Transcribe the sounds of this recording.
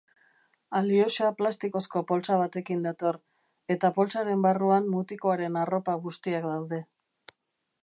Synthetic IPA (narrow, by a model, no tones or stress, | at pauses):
alio̞ʃaplast̪iko̞sko̞po̞lt͡saβ̞at̪e̞kind̪at̪o̞r | e̞t̪apo̞lt͡saɾe̞mbaruammut̪ikoaɾe̞naro̞paɣust̪iak̚d̪awðe̞